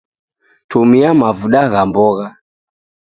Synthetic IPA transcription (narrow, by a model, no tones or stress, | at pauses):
tumiamavuɗaɣambɔɣa